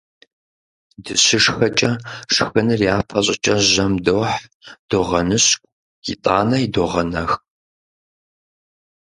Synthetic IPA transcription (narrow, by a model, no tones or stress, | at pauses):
dɨɕɪʂxɐt͡ʃʼɐʂxɨnɨrjaːpʰɐɕʼɪt͡ʃʼɐʑɐmdoħd̥oʁɐnɨɕkʷʼ | jitʼaːnɐidoʁɐnɐx